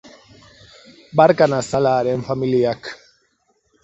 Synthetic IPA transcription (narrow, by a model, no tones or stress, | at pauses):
baɾkanasalaɾɛnfamiliak